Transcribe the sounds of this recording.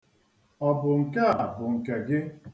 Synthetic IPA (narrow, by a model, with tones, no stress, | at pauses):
ɔ˨bʊ˨ŋ̩˨ke˦a˨bʊ˨ŋ̩˨ke˨ɡɪ˦